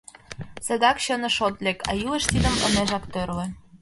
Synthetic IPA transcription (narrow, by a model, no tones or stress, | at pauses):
sĕd̪ɑkɕɤ̆nɤ̆ʃot̪lʲekɑ̰juleʃt̪id̪ə̆mɤ̰̆neʒɑkt̪ørlĕ